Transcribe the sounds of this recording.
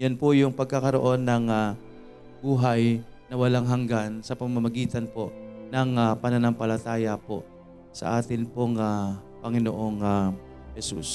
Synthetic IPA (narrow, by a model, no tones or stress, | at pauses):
janpʊjʊŋpɐɡ̚kakɐɾo̞̰ʔo̞nːɐŋa | buːɦaj | nɐwɐlaŋɦɐŋɡansɐpɐmamamɐɡiːt̪ɐnpo̞ʔnɐŋapɐnɐnɐŋpɐlɐt̪aːjɐpo̰ʔ | sɐ̰ʔaːt̪ɪnpoŋapɐŋɪno̰ʔo̞ŋa | hɛsṵs